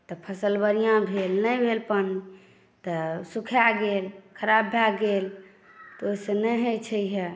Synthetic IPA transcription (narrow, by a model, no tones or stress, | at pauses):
t̪ɔpʰəsəlbəɾijãbʱelnəjbʱelpən | t̪ɔsukʰjaɡelkʰəɾabːʱaɡel | t̪ɔoisenəɦət͡ʃʰəiɦe